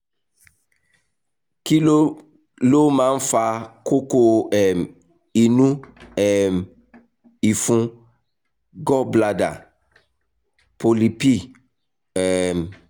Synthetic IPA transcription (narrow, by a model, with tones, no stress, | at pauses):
ki˦lo˦ | lo˦mã˨˦n̩˦fa˨ko˦ko˦ɛ˨m | i˨nũ˦ɛ˨m | i˨fũ˦ | ɡɔ˦bla˨da̰˨ | po˨li˨pi˦˨ | ɛ˨m